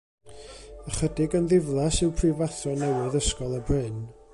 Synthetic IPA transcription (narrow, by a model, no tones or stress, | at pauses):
əχədɪɡənðɪvlˠasɪwpʰrivaθɔnɛwɪðəskɔlˠəbrɪn